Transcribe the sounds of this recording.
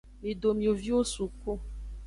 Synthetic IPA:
e˨do˨mĩ˨o˨vi˦o˦su˨ko˦

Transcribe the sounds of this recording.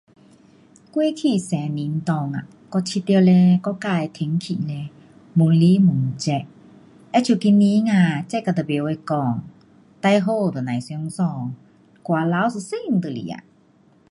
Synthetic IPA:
kwi˧˦kʰi˧˨sɛ˨˦ni˨˦n̩˧t̪ɔ˧˩ŋa̰˨ | kɔ˧t͡ɕʰi˧t̪i˧lɛ˧kɔ˧˨ka˧˨jt̪ʰe˨˦ŋkʰḭ˧˨lɛ˧ | mu˨˦ŋli˧˦mu˨˦ŋ˨t͡ɕɛ˧˩ʔ | ʔɛ˧˥t͡ɕʰu˧˩ki˧ni˧˦ŋaː˧˨t͡ɕɛ˧˨kːa˧˩t̪ə˨˩be˨˦we˧˨kɔ˧˩ŋ | t̪a˧jɦo˧˨t̪ɔ˨nã˨˩jsi˧˦ŋsɔ˧˩ŋ | kwaː˧˨la˧˦ws̬ɨ˧˨si˥˨ŋ̩˨t̪ə˨lḭ˨a̰˨

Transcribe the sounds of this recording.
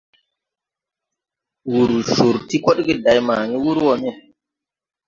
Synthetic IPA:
wu˨ɾsu˨ɾti˦ko˦ɗɡi˦da˨jma˨ŋi˦wu˦ɾwo˨ni˦

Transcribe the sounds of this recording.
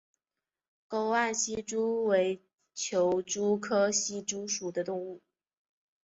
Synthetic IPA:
ko˥ʊa˥˩nɕi˥ʈ͡ʂu˥we˧˥ɪ | t͡ɕʰjo˧˥ʊʈ͡ʂu˥kʰɤ˥ɕi˥˩ʈ͡ʂu˥ʂu˨˩d̪ə˦t̪ʊ˥˧ŋu˥˩

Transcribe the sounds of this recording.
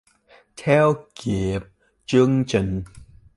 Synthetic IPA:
t̪ʰɛ˦˥wki˨˩əp̚ | t͡ɕɨ˧əŋt͡ɕi˧˩ŋ

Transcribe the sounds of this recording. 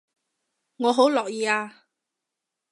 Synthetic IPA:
ŋɔː˨˧ɦo˨˥wlɔː˨k̚jiː˨˧aː˧

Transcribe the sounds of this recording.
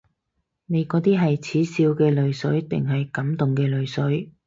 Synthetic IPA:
ne˨˧jkɔː˨˥t̪iː˥ɦɐ˨jt͡sʰiː˨˥siː˧wkɛː˧lɵ˨ɥsɵ˨˥ɥt̪ɪ̰˨ŋɦɐ˨jkɐ˨˥mt̪ʊ˨ŋkɛː˧lɵ˨˧ɥsɵ˨˥ɥ

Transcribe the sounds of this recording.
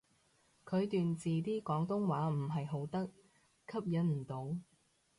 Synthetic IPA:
kʰɵ˨˧ɥt̪yː˨nt͡siː˨t̪iː˥kɔː˨˥ŋt̪ʊ˥ŋwaː˨˥m̩˨˩ɦɐ˨jɦo˨˥wt̪ɐ˥k̚ | kʰɐ˥p̚jɐ˨˥nm̩˨˩t̪o˨˥w

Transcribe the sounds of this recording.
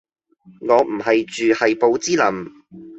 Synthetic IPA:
ŋɔː˨˧m̩˨˩ɦɐ˨jt͡ʃyː˨hɐ˨jpo˨˧wt͡siː˥lɐ˨m

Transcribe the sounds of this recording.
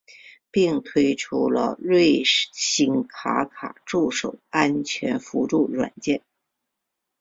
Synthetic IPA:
pi˥˩ŋt̪ʰwe˥ɪʈ͡ʂʰu˥lə̰˧ɻwe˥˩ɪɕi˥ŋkʰa˧˥kʰa˨˩ʈ͡ʂu˥˩ʂo˨˩ʊa˥nt͡ɕʰɥɛ˧˥nfu˧˥ʈ͡ʂu˥˩ɻwa̰˨˩nt͡ɕjɛ˥˩n

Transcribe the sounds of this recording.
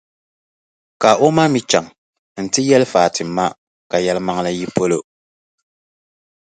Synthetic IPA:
ka˨ʔo˦ma˦mi˦t͡ʃa˨ŋ | n̩˨tɨ˦jɛ˦lɨ˦faː˨tʰɨ˨m˨˦mːa˦ | ka˨jɛ˦lma˦ŋla˦ji˦po˦lo˦

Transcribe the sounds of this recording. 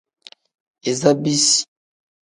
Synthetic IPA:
e˨za˦bi˦si̥˨

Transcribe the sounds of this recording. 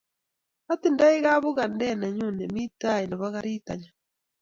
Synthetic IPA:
atinda˦iɣaβu˦ɣa˨ndɛna˨ɲu˦ne˨mi˦ta˦je˨na˨βaɣaɾiː˦ta̰ɲa

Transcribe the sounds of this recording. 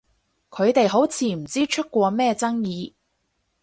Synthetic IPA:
kʰɵ˨˧ɥt̪e˨jɦo˨˥wt͡sʰiː˨˥m̩˨˩t͡siː˥t͡ʃʰɵ˥t̚kʷɔː˧mɛː˥˧t͡sɐ˥ŋjiː˨˧

